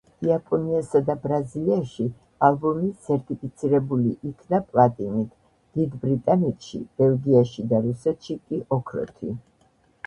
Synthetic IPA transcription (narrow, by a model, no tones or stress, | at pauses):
iapʼɔniasad̪abɾaziliaʃi | alˠbɔmisʰɛɾt̪ʼipʰit̪sʰiɾɛbuliʔikʰnapʼlˠat̪ʼinit̪ʰ | d̪̥id̪bɾit̪ʼanɛt̪ʰʃḭb̥ɛlˠɡiaʃid̪aɾusɛt̪ʃikʼiʔɔkʰɾɔ̰t̪ʰḭ